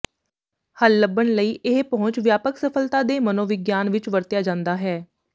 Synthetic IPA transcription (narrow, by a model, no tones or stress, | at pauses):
həlːəbːəɳləiːʔɪɦpɔ̃ɦʊɲt͡ʃʋjaːpəksəpʰəlt̪aːd̪eːmənõːʋɪɡjaːnʋɪt͡ʃʋəɾt̪jaːd͡ʒãːnd̪aːɦɛː